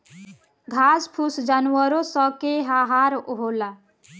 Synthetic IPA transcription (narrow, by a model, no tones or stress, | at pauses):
ɡʱaspʰusd͡ʒanuwəɾosɔkeɦaɦaɾɦola